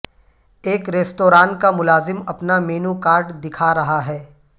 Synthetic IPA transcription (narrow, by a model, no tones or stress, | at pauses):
eːkɾeːstoːɾaːnkamʊlaːzɪmɐpnameːnukaːɾɖd̪ɪkʰaɾɐɦaɦɛː